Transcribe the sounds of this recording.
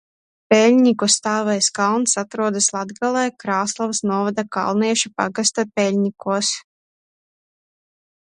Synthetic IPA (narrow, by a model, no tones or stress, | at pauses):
pʲɛlʲɲʲikust̪aːvɛjskawˠnsat̪ɾuɔd̪aslˠad̪ɡalˠɛjkɾaːslˠavsnuɔvad̪aka̰lˠniɛʃupa̰ɡast̪apʲɛlʲɲikuɔs